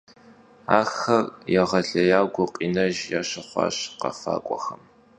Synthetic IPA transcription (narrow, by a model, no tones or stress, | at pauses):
aːxɐrjɛʁɐɬɐjaːwɡʷʊqʼiːnɐʒjaːɕɨχʷɑ̰ːɕqɐ̰fa̰ːkʷʼɔxɐm